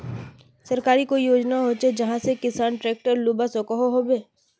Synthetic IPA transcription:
sɐɾkaːɾikoijoːd͡ʒnaɦot͡ʃed͡ʒɐɦãsekɪsaːnʈɾeːk̚ʈəɾluːbasokəɦoɦoːbeː

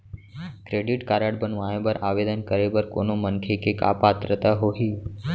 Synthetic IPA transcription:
kɾeːɖɪʈkaːɾaːɽbənʋaːjẽbəɾaːʋeːd̪ənkəɾebəɾko̰ːnomənkʰekeka̰ːpaːt̪ɾət̪aɦoːɦiː

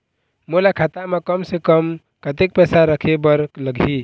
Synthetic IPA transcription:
mulakʰat̪amekəmsekəm | kət̪ek̚pɛsaɾəkʰebəɾkləɡʱi

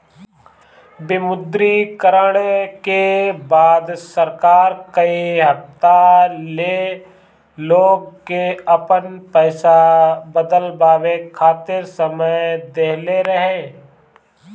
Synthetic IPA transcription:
bɪmʊd̪ɾikəɾəɽekebaːd̪səɾkaːɾkɐiɦɐft̪aleː | loːɡ̚keɐpənpɛːsabəd̪əlbaːʋekʰaːt̪ɪɾsəməjd̪eːɦleɾəɦẽː

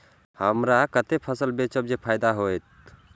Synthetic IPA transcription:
həmɾakət̪epʰəsəlbet͡ʃəbd͡ʒepʰajd̪aɦoet̪̚

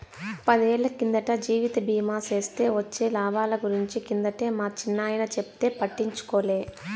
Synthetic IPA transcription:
pɐd̪ieːɭːɐkind̪ɐʈɐd͡ʒiːʋit̪ɐbiːmaːse̞ːst̪e̞ːʋɐt͡ʃːe̞ːlaːbaːlɐɡuɾiɲt͡ʃikind̪ɐʈeːmaːt͡ʃinːaːjɐnɐt͡ʃept̪e̞ːpɐʈːiɲt͡ʃu̥koːleː

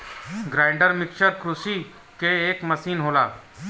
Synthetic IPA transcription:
ɡɾaːɪɳɖəɾmɪkʃəɾkɾusi | keeːkməsiːnɦoːla̰ː

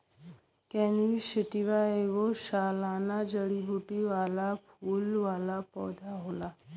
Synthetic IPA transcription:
kɛːniʃɪʈiʋaeʋoʃaːlaːnad͡ʒəɽiɦuːʈiʋaːlapʰuːlʋaːlapɔːd̪ʱaɦoːlaː

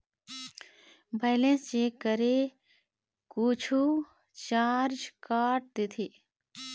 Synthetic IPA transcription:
bʱɛːlẽnst͡ʃeːkːəɾe | kuːt͡ʃʰu | t͡ʃaːɾd͡ʒkaːʈ̚d̪et̪ʰiː

